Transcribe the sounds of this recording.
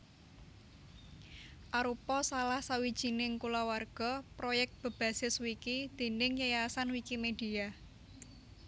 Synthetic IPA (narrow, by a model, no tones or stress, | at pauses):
ʔaɾupɔsalahsawid̥ʒ̥i̤nɪŋkulawarɡ̥ɔ̤pɾojɛk̚t̪̚b̥ə̤b̥a̤sɪswikid̪̥e̤nɪŋjajasanwikimed̥i̤a